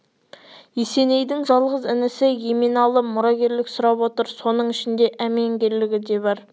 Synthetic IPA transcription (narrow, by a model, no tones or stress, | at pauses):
jese̞ne̞jd̪ɪŋʒɑlˠʁəzɪnɪsɪjemenɑlˠəmʊɾɑɡʲe̞ɾlɪksʊɾɑpwo̞t̪əɾso̞nəɴɪʃɪnd̪e̞ʔæmeŋɡʲe̞ɾlɪɡʲɪd̪e̞bɑɾ